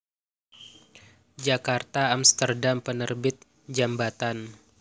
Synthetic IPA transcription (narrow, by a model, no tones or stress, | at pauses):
d͡ʒakart̪aamst̪ərdampənərbɪt̪̚ | d͡ʒambat̪an